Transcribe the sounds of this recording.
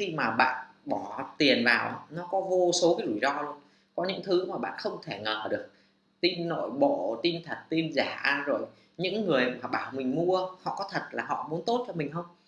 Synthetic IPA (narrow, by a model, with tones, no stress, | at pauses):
xi˧maː˨˩ɓa̰ː˧˨n | ɓɔ˧˩t̪i˨˩ənvaː˨˩wnɔ˨˦kɔ˨˦vo˧so˨˦kaː˨˦jzu˧˩jzɔ˧lu˧ən | kɔ˨˦ɲɨ̰˧˥ŋt̪ʰɨ˨˦maː˨˩ɓa̰ː˧˨nxə˧wŋ͡mt̪ʰe˧˩ŋəː˨˩ɗɨ˨˩ək̚ | t̪i˧nːo̰˧˨jɓo̰˧˨t̪i˧nt̪ʰə˨˩t̚t̪i˧nzaː˧˩ʔzo˨˩j | ɲɨ̰˧˥ŋːɨ˨˩əjmaː˨˩ɓaː˧˩wmï˨˩ŋ̟mu˧əhɔ̰˧˨kɔ˨˦t̪ʰə˨˩t̚laː˨˩ɦɔ̰˧˨mu˨˦ənt̪o˦˥t̚t͡ɕɔ˧mï˨˩ŋ̟xə˧wŋ͡m